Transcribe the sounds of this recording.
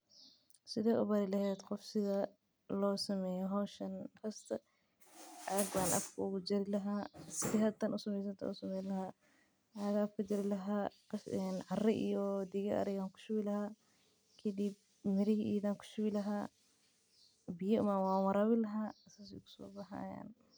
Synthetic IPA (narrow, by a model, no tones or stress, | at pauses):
sɪðaːʔʊβɐɾɪlɐhɛːd̪qɔfsɪðɐ | lɔːsɐmɛːjɔɦɔːʃɐnkʰɐst̪ʰɐ | ʔɐɐɡbaːnʔɐ̰fkʰɐʊɣʊd͡ʒɪɾɪlɐɦaːsfɪɦɐt̪ːɐnʊsɐmɛːs̬ɐnt̪ʰɐ̰ʊsɐmɛːlɐhaː | hɐɣafkʰɐd͡ʒɐɾɪlɐɦaː | nʕɑrɛʔijɔd̪ɪɣɐɐ̰ɾɪɣaːŋkʰʊ̥ʃʊwɪlɐhaː | kʰɐd̪ib̚ | mɪɾɪhʔiːðaːŋkʰʊ̥ʃʊwɪlɐɦaː | bɪjɐʊmanwaːnwɐɾaːβɪlɐɦaːsaːs̬ɪkʰʊ̥sɔ̰ːbɐɦa̰ːja̰ːn